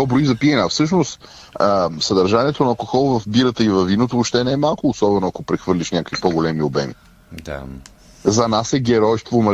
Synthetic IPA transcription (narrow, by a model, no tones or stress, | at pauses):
ɔbɾoizɐpiɛnafsɤʃnost̪ | əsɐd̪ɐɾʒaniɛt̪onɐɐlˠkoxɔlˠvɐfbiɾət̪əivɐvːinot̪̬oopʃt̪ɛnɛɛmalˠkʊːsɔbɛnoɐkopɾɛxvɤɾlʲiʃnʲakəkvipoɡolɛmiobɛmḭ | d̪a̰ | zɐnasɛɡɛɾɔjʃt̪vomɐ